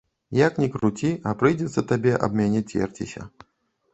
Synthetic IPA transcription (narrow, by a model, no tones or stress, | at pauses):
jaknʲɛkɾut͡sʲiɐpɾɨjd͡zʲɛt̪sːɐt̪abʲɛʔɐ̰bmʲanʲit͡sʲɛ̰rt͡sʲḭsʲɐ̰